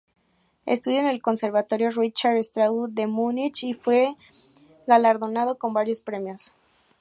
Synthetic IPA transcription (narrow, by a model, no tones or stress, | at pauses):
ḛst̪uðjone̞lko̞nse̞ɾβat̪o̞ɾjo̞rit͡ʃaɾest̪ɾaud̪emunit͡ʃifwe̞ | ɣalaɾðo̞nað̞o̞ko̞mbaɾjo̞spɾe̞mjo̞s